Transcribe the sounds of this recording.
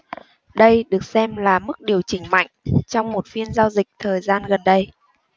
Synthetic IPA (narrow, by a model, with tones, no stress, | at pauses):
ɗə˧jɗɨ˨˩ək̚sɛ˧mlaː˨˩mɨ˦˥k̚ɗi˨˩əwt͡ɕï˧˩ŋ̟ma̰˧˨jŋ̟t͡ɕɔ˧wŋ͡mmo˨˩t̚fi˧ənzaː˧wzï˨˩k̟̚t̪ʰəː˨˩jzaː˧nɣə˨˩nɗə˧j